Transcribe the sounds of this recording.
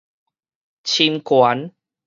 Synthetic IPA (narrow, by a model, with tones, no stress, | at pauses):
t͡ɕʰi˧nkwa˨˦n